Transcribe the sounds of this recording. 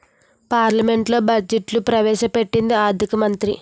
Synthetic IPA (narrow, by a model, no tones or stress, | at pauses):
paːɾlɐme̞ɳʈlo̞ːbɐd͡ʒeʈlupɾɐʋɛːʃɐpe̞ʈːind̪iaːɾd̪ʱikɐmɐnt̪ɾḭ